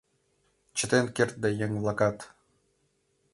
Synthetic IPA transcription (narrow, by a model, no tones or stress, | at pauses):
t͡ɕʰə̆t̪enkert̪̚d̪ajeŋvlˠakat̪